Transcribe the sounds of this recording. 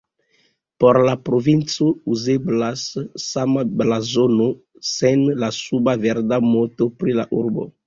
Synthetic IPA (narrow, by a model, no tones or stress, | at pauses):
poɾlapɾovint͡souzeblasːamablazono | senlasubaveɾdamotopɾila̰ʔuɾbo̰